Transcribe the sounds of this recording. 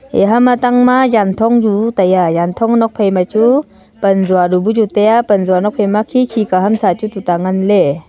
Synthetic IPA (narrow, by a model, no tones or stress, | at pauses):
ḛɦamataŋmajantʰɔŋjutajajant̪ʰɔŋnɔk̚pʰejmat͡ʃu | pɐnzuaɾubud͡ʒutajapənzuwanɔk̚pʰejmakʰikʰikaɦamsat͡ʃututaŋanle